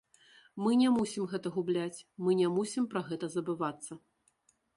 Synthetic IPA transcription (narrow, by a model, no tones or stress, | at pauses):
mɨnʲɛmusʲimɣɛt̪ɐɣublʲat͡sʲmɨnʲɛmusʲimpɾɐɣɛt̪ɐzɐbɨvat̪sːɐ